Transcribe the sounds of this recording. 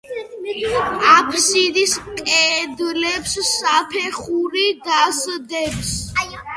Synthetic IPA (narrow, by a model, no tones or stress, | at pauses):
apʰsid̪iskʼɛd̪lɛpsːapʰɛχuɾid̪asd̪ɛps